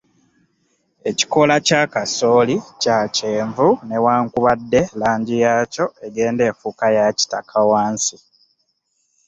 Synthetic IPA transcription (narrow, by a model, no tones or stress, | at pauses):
e̞ci̥ko̞lacakaso̞ːlicace̞ːɱvune̞waːŋkuβadːe̞laːɲɟijaːco̞e̞ɡe̞ːnde̞ːfukajaci̥takʰawaːnsi